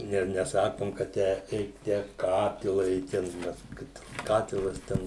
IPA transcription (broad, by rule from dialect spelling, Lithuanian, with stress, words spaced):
ˈnʲɛ nʲɛˈsɑːkoːm kɐ ˈtʲæː ˈɛɪk tʲæː ˈkɑːtʲɪlˠɐ ɪ ˈtʲɛn ˈmʲɛs ˈkɐt ˈkɑːtʲɪlˠɐs ˈtʲɛn